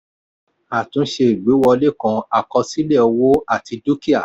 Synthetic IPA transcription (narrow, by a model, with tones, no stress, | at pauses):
a˨tũ˨˦ʃe˧i˨ɡ͡be˨˦wɔ˧le˦˨kã˧a˨kɔ˧si˦le˦˨ɔ˧wo˦a˦˨ti˧do˦ki˦a̰˦˨